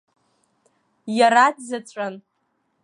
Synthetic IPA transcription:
jaɾatʰzat͡ɕʷʼan

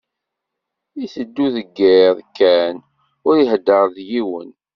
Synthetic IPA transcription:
iθəd̪ːuðəɡːeðˤkːæn | ʊɾiɦd̪ːəɾˤðjiwə̰n

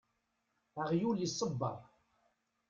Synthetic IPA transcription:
əʁjuljəsˤːəbːɑ̰ɾˤ

